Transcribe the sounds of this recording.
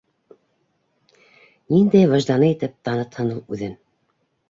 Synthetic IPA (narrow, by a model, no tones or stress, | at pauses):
nind̪æjvɑʒd̪ɑnɤit̪ɘp̚t̪ɑnɤt̪hɤ̆nɤlˠʉðɘn